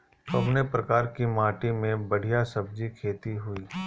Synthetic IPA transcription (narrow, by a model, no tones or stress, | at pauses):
kɐbnepɾɐkaːɾkimãːʈimẽbɐɽ̤ijasɐb̚d͡ʒikʰeːt̪iɦʊiː